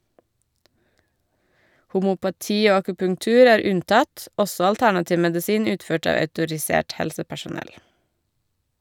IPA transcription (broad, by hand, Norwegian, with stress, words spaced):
hʊmʊpɑˈtiː ˈoː ɑkʉpʉŋˈtʉːɾ ˈæːɾ ˈʉnˌtɑt ˈɔsɔ ɑlˈtæɳɑtɪʋ mɛdɪˈsiːn ˈʉːtˌføːʈ ˈɑːʋ œʉtʊɹɪˈseːʈ ˈhɛlsəpæʃʊˌnɛl